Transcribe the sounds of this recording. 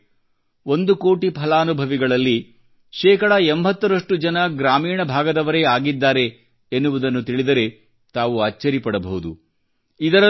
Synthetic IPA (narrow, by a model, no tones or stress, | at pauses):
o̞nd̪uko̞ːʈipʰɐlaːnubʱɐʋiɡɐɭɐlːi | ʃɛːkɐɽɐembʱɐt̪ːɐɾɐʂʈud͡ʒɐnɐɡɾaːmiːɳɐbʱaːɡɐd̪ɐʋɐɾe̞aːɡid̪ːaːɾe̞ | enːuʋud̪ɐnːut̪iɭid̪ɐɾe̞ | t̪aːʋuaːt͡ʃːɐɾipɐɽɐbɐɦud̪ṵ | id̪ɐɾɐ